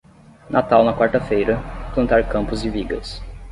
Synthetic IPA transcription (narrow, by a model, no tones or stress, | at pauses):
nʔat̪awnɐkwaɾt̪ɐfejɾɐplɐ̃nt̪aɾkɐ̃mpʊzɪviɡɐ̰s